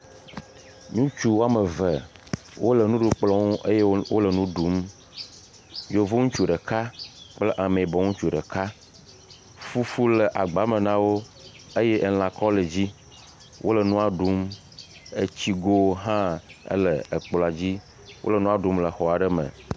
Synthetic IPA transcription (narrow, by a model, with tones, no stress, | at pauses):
ɲũ˦t͡ʃu˦wo˦a˦mə˨və˨ | wʔo˦lə˨nũ˦ɖu˦k͡plɔ˦ŋ˦e˦je˦wo˦lə˨nũ˦ɖu˨˦m | jo˨vo˦ŋũ˦t͡ʃu˨ɖə˨ka˦k͡plə˦ʔa˨me˨i˨bɔ˨˦ŋũ˦t͡ʃu˨ɖə̰˨ka˦ | fu˦fu˦lə˨ʔa˨ɡ͡ba˨˦mə˨nã˦wo˦ | e˦jɛ˦ʔe˨l̃ã˨kɔ˦lə˨d͡ʑi˦ | wʔo̰˦lə˨nũ˦a˨ɖu˦m | ḛ˦t͡ɕi˦ɡo˦ɦã˦ə̰˦lə˨ə˨k͡pla˨d͡ʑi˦ | wʔo̰˦lə˨nũ˦a˨ɖu˦mlə˨xɔ˨a˨ɖə˦mə̰̃˨